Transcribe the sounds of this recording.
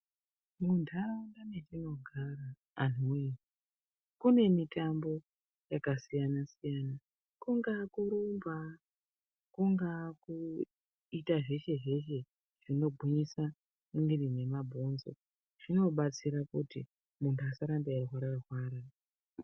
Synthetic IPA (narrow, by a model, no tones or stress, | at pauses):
mundʰaandaneʐino̞ɡʱaraː | n̤umeni | kune̞mitambo̞ | jakasijanasijaːna | kuŋɡakuɾumba | kuŋɡaku | itaʐe̞ʃe̞ʐe̞ʃe̞ | ʐ̥ino̞ɡʱuɲisa | uŋɡirine̞mabʱo̞nzo̞̰ | ʐ̥ino̞ɓat͡siɾakutḭ | mundʰuasaɾamdeaɦwaɾaɦwaːɾa